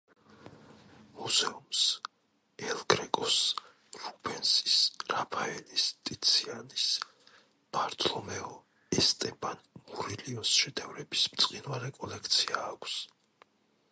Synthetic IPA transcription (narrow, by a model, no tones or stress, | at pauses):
muz̥ɛums | ɛlɡɾɛkʼɔs | ɾubʰɛnsi̥sɾapʰaɛlist̪ʼit̪sʰianis | b̥aɾt̪ʰlɔmɛɔ | ɛst̪ʼɛpʰanmuɾiliɔnsʃɛd̪ʰɛvɾɛbismt̪sʼqʼinvaɾɛkʼɔlɛkʰt̪sʰiaːkʷʰs